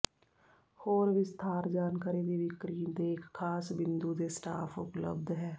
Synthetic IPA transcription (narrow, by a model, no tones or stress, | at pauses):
hoːɾʋɪst̪ʰaːɾd͡ʒaːnkaːɾed̪iʋɪkɾiːnd̪eːkʰːaːsbɪ̃nd̪ud̪esʈa̰ːpʰʊplə̰bd̪ɦɛː